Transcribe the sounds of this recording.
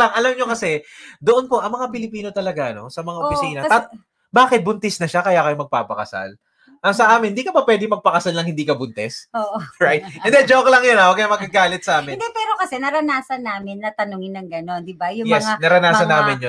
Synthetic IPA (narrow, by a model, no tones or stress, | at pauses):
baŋʔɐlɐmɲo̞kɐsɛd̪oʔonpo̞ʔɐŋmɐŋapɪlɪpiːno̞t̪ɐlɐɡaʔɐno̞̰sɐmɐŋaʔofɪsiːnɐt̪at̪ | baːkɪt̪̚bʊnt̪ɪsnɐʃakɐjaːkɐjomɐɡ̚paːpɐkɐsa̰l | ʔɐsɐʔaːmɪnɪd̪iːkɐbɐpwɛd̪ɪŋmɐɡ̚pɐkɐsalnɐŋhɪnd̪iːkɐbʊnt̪ɛsoːʔɹajt̪̚ɛnd̪ɛd͡ʒoklɐŋjonɐwɐɡkɐɲɐmɐɡɐɡaːlɪt̪̚sɐʔaːmɪnd̪ɛpɛːɾokɐsɛnɐɾɐnaːsɐnːaːmɪnːɐt̪ɐnoŋɪnːɐŋɡɐno̞nd̪ɪbajʊŋjmsanɐɾɐnaːsɐnaːmɪnjo